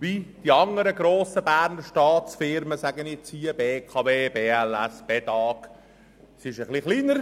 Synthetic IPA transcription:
ʋid̪̥iɑŋəɾəɡɾoːsəbæːɾnəɾʃtɑːt͡sfɪɾməsæɡənɪt͡siəbeːkʰɑʋeːbeːɛlæsb̥et̪ɑːk | sɪʃəχliχliːnəɾ

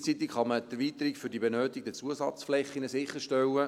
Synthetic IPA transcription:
t͡siːt̪ɪkχɑmət̪ɛɾrviːt̪əɾɪkfʏɾdibɛnøːt̪ɪɡ̚d̥ɛt͡suəsɑ̰t͡sflɛχːinəsɪχːəɾʃtɛwə

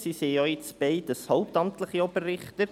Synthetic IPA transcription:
siseɔɪt͡sb̥ɛɪd̥əshɔʊp̚tɑmt̪ləχiɔbərːɪχtə

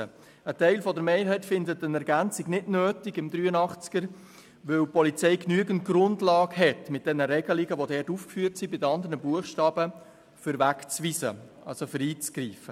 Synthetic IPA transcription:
ə | ətɛɪlfɔdəɾmeːɾɦɛɪtfɪndətənɛɾɡænt͡sɪɡnɪdnøːtɪɡɪmdɾyːənɑχt͡sɪ̥ɡ̥əɾ | ʋɵwpɔlit͡sɛɪknyəɡən̩t̚ɡ̥ɾʊndlɑːɡɦɛtmɪt̚d̥ɛnəɾɛɡ̥əliɡəʋodɛtuːfkfyːəɾtsibɪdəɑnd̪əɾnəbuəχʃtɑːb̥ə | fʏɾvækt͡svisə̰ʔɑ̰lsofʏɾiːt͡sɡ̥ɾiːfə

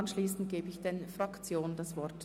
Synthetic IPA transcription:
nʃliːsn̩t̚ɡ̥eːbəɪçd̥ɛnfʁ̥akt͡sjoːnndasvɔʁt

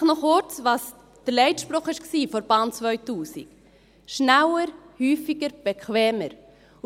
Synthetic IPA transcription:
nɔχʊɾt͡svɑːs | d̥əɾlɛɪtʃpɾoχɪʃksiːfɔɾb̥ɑːnt͡svœʏtuːsɪ̰k | ʃnæwəɾhyːfɪɡəɾb̥ɛkʰvɛːməɾ

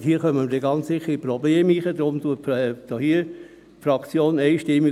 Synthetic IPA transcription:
hiːəχœməmədeɡɑnt͡ssɪχːəɾipɾɔbleːmiːχəd̥̪ɾomtuətːd̥ɔhiːə | fɾɑkt͡sjoːneɪʃtɪmːi

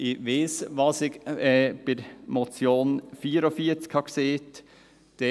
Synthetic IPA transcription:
ɪʋeːsʋɑsɪɡɛb̥ɪɾmɔt͡sjoːnfiːəɾofiəɾt͡skhɑkseːt̪ | d̪̥e

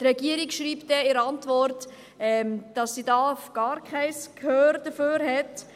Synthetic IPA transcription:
tɾɛɡiəɾikʃɾiːptd̥ɛɪɾɑntʋɔɾt | ɛmd̥ɑsːidɑːfɡ̥ɑːɾkʰχɛɪskʰhøːɾd̥əføːɾɦɛt

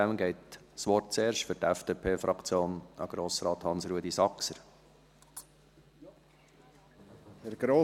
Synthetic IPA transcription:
æmɡɛɪtsʋɔrt̚t͡seːɾʃtfʏɾtæfd̥epʰeːfɾʔɑkt͡sjoːnɑ̰ɡ̥ɾoːsɾɑːt̪hɑnsɾuəd̪isɑksəɾ | hɛɾɡ̥ɾoː

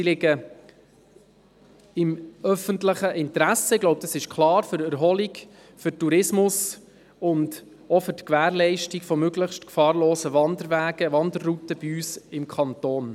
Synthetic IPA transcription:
silɪɡə | ɪmœfəntləχəʔɪntɾæsəɪɡ̥lɔʊb̚d̥ɑsɪʃkʰlɑːɾfʏɾæɾɦɔliɡ | fʏtuɾɪsmʊs | ʊnd | ɔfʏɾtkʋæːɾlɛɪʃtikfɔmøɡləχʃtkfɑːɾloːsəʋɑndəɾʋæːɡ̥əʋɑndərːutəbiyːsɪmkʰɑntoːn

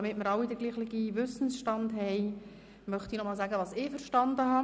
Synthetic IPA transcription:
mɪtmɪɾɑwidəɾɡliːχlɪɡiʋʏsn̩sʃtɑndɦɛɪ | mœχt̪inɔmɑːlsæːɡəʋɑːsɪfəɾʃtɑnd̪əɦɑ

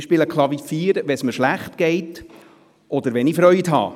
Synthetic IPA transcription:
ʃpɪləkʰlˠɑvifiːɾʋɛsməʃlæχtɡ̥ɛɪt | ɔd̪əɾʋɛnifɾœʏthɑ̰ː

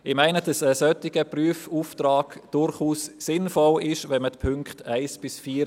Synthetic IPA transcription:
ɪmaɪnəd̥ɑsəsœtɪɡəpryəfuftraːɡ̥d̥ʊɾχuːsːɪnfɔlɪʃvɛnmətpʰʏŋkχtaɪsb̥ɪsfiːɾ

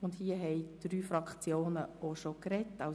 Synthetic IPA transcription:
ʊndhiəɦɛɪd̥ɾyːfɾɑkχt͡sjoːnəoʃokɾɛtːa

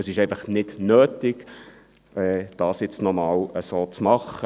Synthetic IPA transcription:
əsɪʃɛɪfɑχnɪd̥nøːtɪɡ | ɛːd̥ɑːsjɪt͡snɔmɑːwəsoːt͡smɑχə

